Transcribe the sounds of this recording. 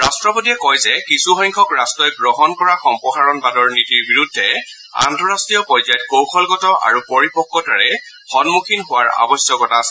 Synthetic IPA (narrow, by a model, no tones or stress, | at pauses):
ɹastɹɔpotiɛkɔjzɛkisuɦɔjŋkʰɔkɹastɔjɡɹɔɦɔnkɔɹaxɔmpɔxaɹɔnbadɔɹnitiɹbiɹudʱːɛ | a̰ntɔɹastɹijɔpɔjzajt̚kowxʰɔlɡɔtɔʔa̰ɹupɔɹipɔkːɔtaɹɛ | xɔnmukʰinɦʊwaɹa̰bɔsjɔkɔtasɛ